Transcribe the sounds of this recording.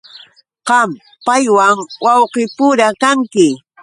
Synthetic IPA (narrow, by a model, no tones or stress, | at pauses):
qɑm | pajwaŋwɑwqɪpʊɾakaŋkɪ